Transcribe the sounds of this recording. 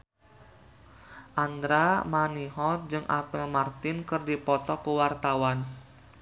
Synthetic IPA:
ʔand̪ɾamaniɦɔt̪̚d͡ʒɨŋʔa̰pɛlmart̪ɪnkɨrdipɔt̪ɔkəwart̪awan

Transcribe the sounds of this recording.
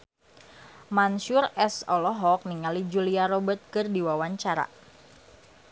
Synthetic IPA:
manʃurɛsɔlɔɦɔk̚niŋalid͡ʒuliaɾɔbət̪̚kɨrdiwawaɲt͡ʃaɾa̰

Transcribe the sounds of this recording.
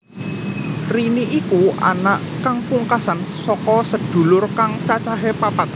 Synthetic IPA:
riniʔikua̰naʔ | kaŋpuŋkasansɔkɔsəd̪̥ṳlʊrkaŋt͡ʃat͡ʃaɦepapat̪̚

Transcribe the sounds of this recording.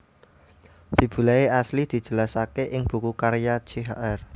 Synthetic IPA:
sib̥ṳlaeaslid̪̥i̤̥d͡ʒ̥ə̤lasakeʔɪŋb̥ṳkukaɾjḁd͡ʒeɦaʔɛr

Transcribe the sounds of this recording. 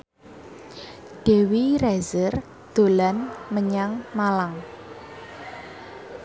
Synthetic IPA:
ɖ̥e̤wirɛzər | d̪̥o̤lanməɲaŋmalaŋ

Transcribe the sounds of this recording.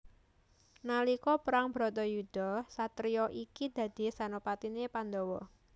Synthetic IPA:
nalikɔpəɾaŋbɾɔt̪ɔjud̪̥ɔsat̪ɾijɔʔikid̪̥ä̤d̪̥i̤sanopat̪inepand̪ɔwɔ

